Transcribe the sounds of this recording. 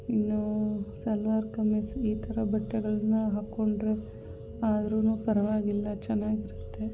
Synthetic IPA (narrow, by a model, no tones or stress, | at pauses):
inːusɐlʋaːɾkɐmesiːt̪ʰɐɾɐbɐʈːɛɡɐɭɐnːuɦaːkːoɳɖɾe | aːd̪ɾuːnuːpɐɾɐʋaːɡilːɐt͡ʃɛnːaːɡiɾut̪ːe̞